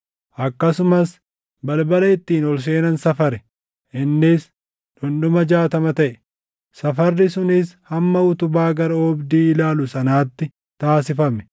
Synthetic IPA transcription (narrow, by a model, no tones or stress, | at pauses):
ʔɐkːɐsʊmɐs | bɐlbɐlɐɪt̪ːiːnɔls̬e̞ːnɐnsɐfɐɾɛ | ʔɪnːɪs | ᶑɔnɗʊmɐd͡ʒaːt̪ɐmɐt̪ɐʔɛ̥ | sɐfɐrːɪsʊnɪshɐmːɐʊt̪ʊbaːɡɐɾɐɔbd̪iːlaːlʊsɐnaːt̪ːɪ | t̪aːsɪfɐmɛ̥